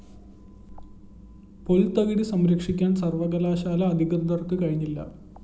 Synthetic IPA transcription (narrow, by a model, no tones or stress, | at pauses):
polt̪ɐɣiɽisɐmɾɐkʂikʲːaːnsɐrʋɐɣɐlaːɕaːlɐːd̪ʱiɣɐnd̪ɐrkːɨkɐɻiɲːilːɐ̰